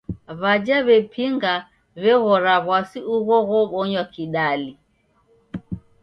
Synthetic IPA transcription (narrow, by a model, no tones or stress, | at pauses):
βad͡ʒaβɛpʰiŋɡa | βɛɣɔɾaβwasiʔuɣɔɣɔɓɔɲwakiɗali